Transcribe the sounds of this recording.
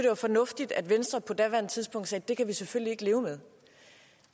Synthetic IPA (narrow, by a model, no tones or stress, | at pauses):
d̥e̝ʋæfɒ̽nɔ̽fd̥id̥æd̥ʋensd̥ʁɐpʰɒ̽d̥æʋæɐnt͡sʰiðˠsb̥ɔ̽ŋ̰d̥sɛːd̥e̝kʰæʋiseføl̰lie̝ɡ̥əle̝ːʊmeð̞ˠ